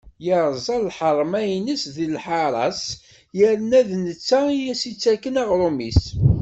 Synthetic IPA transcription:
jəɾˤzˤɑllħəɾˤmæjnəsðilħɑɾˤɑ̰s | jəɾnæðnət͡sːæjæsit͡sːækːənæʁɾˤumis

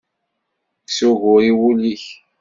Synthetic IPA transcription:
sʊɣʊɾiwuliç

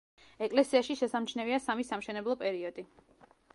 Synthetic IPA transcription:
ɛkʼlɛsiaʃiʃɛsamt͡ʃʰnɛviasamisamʃɛnɛblˠɔpʼɛɾiɔd̪i

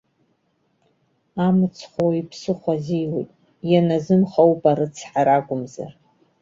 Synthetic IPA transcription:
amɨt͡sʰχʷowipʰsɨχʷazijwḛjtʼ | janazɨmχawpʼaɾɨt͡sʰħaɾaɡʷʼʊmza̰r

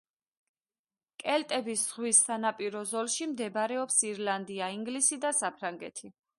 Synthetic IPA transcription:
kʼɛlt̪ʼɛbisz̥ʁwisːanapʼiɾɔzɔlˠʃimd̪ɛbɾɛɔpsiɾland̪iaiŋɡlisid̪asapʰɾaŋɡɛ̰t̪ʰi

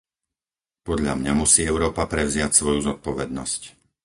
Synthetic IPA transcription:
pɔd̪ʎa̰mɲamusiːɛʊɾɔːpapɾɛʊzɪacsʋɔjuzɔt̪̚pɔʋɛd̪nɔ̰sc

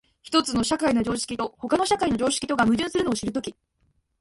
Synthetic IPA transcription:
çi̥t̪o̞t͡sɨno̞ɕakaino̞d͡ʑo̞ːɕi̥kʲit̪o̞ho̞kano̞ɕakaino̞ʑo̞ːɕi̥kʲi̥t̪o̞ɡamɯ̟ʑɨ̃ɰ̃sɨɾɯ̟no̞ːɕiɾɯ̟t̪̬o̞kʲi

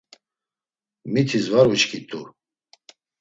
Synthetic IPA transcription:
mit̪ʰizvaɾut͡ʃkʰit̪ʼu

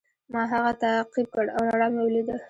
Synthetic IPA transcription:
mɑɦaɣat̪aqib̚kəɽawɾaɽɑmewəlid̪əl

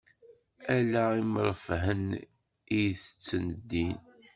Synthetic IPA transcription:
ælæiməɾˤəfɦən | ijθə̥t͡sːənəd̪ːin

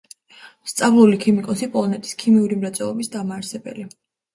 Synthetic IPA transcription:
st̪sʼavlˠulikʰimikʼɔsipʼɔlˠɔnɛt̪ʼi̥skʰimiuɾimɾat̪sʼwɛlˠɔbisd̪amaːɾsɛbɛ̰li

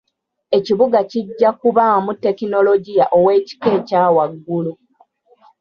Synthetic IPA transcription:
e̞ciβuɡaciɟːakuβamutːekino̞lo̞ɟijaʔo̞we̞ːci̥ke̞ːcaːwaɡːulu

